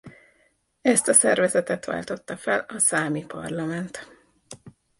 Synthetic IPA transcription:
ɛst̪ɒsɛrvɛzɛt̪ɛt̪ʋa̰ːlt̪o̞t̪ːɒfɛlɒsaːmipɒ̰rlɒmɛnt̪

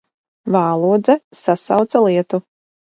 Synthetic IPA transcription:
vaːlˠuːd̪zɛsasa̰wt̪salˠiɛt̪u

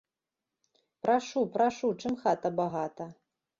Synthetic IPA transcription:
pɾaʂupɾaʂut͡ʂɨmxat̪ɐbaɣat̪ɐ

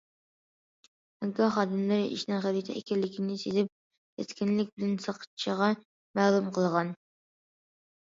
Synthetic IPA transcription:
ɛɡɑχɑːd̪ɪmlɨɾɪʔḭʃnɪŋχæɾit̪ʰɛɛ̰kʲʰɛlːɪkʲʰinɪsid̪ɪp̚ | t̪ʰɛskʲinlɪk̚ʲbɪlɪnsəqʰə̥t͡ʃʰəʁɑ | mæːlˠumqʰəlˠʁɑn

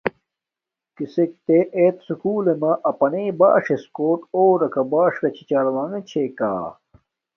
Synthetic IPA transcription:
kisek̚t̪eʔeːt̪sukuːlemɐʔɐpɐneːba̰ːʂeskoːʈoːɾɐkɐbaːʂɾɐt͡ɕʰi̥t͡ɕaːlwaŋet͡ɕʰeka̰ː

